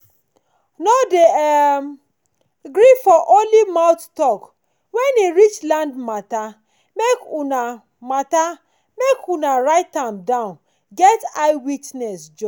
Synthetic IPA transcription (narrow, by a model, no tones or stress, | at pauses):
node | ɡɾifɔʔolimaʊttɔk | wɛneɾit͡ʃlãndmata | mekuna | mata | mekunaɾaɪtamdãʊ̃n | ɡɛtaɪwitnɛsd͡ʒɔ